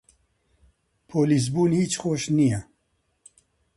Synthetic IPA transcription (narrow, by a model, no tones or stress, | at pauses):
pʰoːlizbuːnhiːt͡ʃxoːʃnijɛ